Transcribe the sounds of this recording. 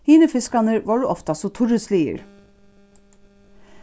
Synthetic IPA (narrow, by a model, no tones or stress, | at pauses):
hiːnəfɪskɑnəɾʋɑːɖʉːʔɔft̪ɑsɔt̪ʰʊɾʉsliːə̰ɾ